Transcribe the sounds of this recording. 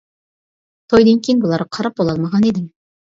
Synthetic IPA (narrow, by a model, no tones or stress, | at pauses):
t̪ʰojd̪eŋkʲʰejnbulˠɑɾɑqʰɑɾɑp̚bolˠɑlˠmɑʁɑned̪ɪm